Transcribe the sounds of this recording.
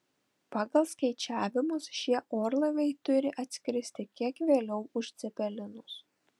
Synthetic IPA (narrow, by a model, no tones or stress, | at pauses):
pɑːɡɐlˠskɐɪt͡ʃʲæːʋʲɪmʊsʃʲiɛʔoːɾlˠɐʋʲɛɪt̪ʊɾʲɪʔɐt̪ʲsʲkʲɾʲɪsʲt̪ʲɪkʲiɛkʋʲeːlʲɛʊʊʃt̪sʲɛpʲɛlʲɪnʊs